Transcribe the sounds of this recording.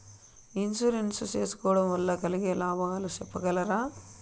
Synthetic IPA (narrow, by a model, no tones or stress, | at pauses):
insuɾensut͡ʃe̞ːsu̥kɔːʋɐɽɐmʋɐlːɐkɐliɡeːlaːbʱɐŋɐːlut͡ʃɛpːɐɡɐlɐɾaː